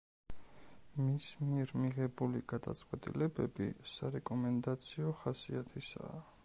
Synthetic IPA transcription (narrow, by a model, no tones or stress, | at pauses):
mismiɛɾmiʁɛbuliɡ̥ad̪a̰t̪sʼqʼwɛt̪ʼḭlɛbɛbḭsaɾɛkʼɔmɛnd̪at̪sʰiɔχasiat̪ʰisa̰ː